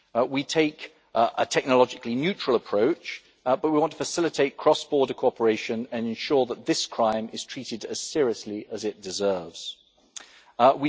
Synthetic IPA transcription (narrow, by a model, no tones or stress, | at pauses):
witʰeɪk | ʔə̰tʰɛk̚nəlɒd͡ʒɪklinjʉˑt͡ʃɹ̥əlˠəpʰɹ̥əʊt͡ʃ | b̥ʌʔ̚wiwɒ̃ntʰəfəsɪlɪtʰeɪt̚kʰɹ̥ɒsb̥ɔːdəkʰoʊɒpʰəɹeɪʃə̃nə̃nɛ̃nʃɔːðət̪̚ðɪskʰɹ̥ãɪ̃mɪz̥tʰɹ̥iˑtɪdəz̥sɪəɹiəsliəzɪt̚d̥ɪzɜːvz̥ | wi